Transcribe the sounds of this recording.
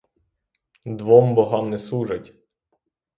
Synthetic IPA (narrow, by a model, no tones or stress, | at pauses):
d̪ʋɔmbɔɦɑmnɛsuʒɐtʲ